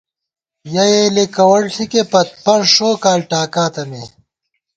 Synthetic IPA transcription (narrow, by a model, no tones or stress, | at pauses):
jɐjeːlekɐwɐɽɬʰikepɐt̪̚pɐɾʂoːkaːlʈaːkaːt̪ɐme